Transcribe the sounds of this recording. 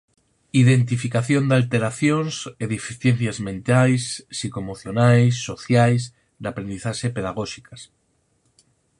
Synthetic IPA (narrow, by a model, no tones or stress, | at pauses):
iðent̪ifikaθjond̪alt̪eɾaθjonseðefiθjen̟θjazmẽnt̪ajsːikomoθjonajsːo̞θjajs | d̪apɾend̪iθaʃepeðaɣoʃikas